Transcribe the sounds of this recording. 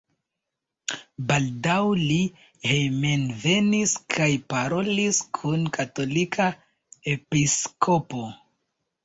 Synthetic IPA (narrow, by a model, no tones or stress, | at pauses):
baldawli | hejmenve̞niskʰajpaɾo̞liskʰunkato̞likʰa | e̞piskʰo̞po̞